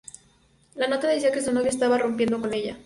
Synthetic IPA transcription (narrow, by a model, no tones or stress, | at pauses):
lano̞t̪aðesakesunoβjest̪aβaro̞mpje̞nd̪oko̞ne̞ʎa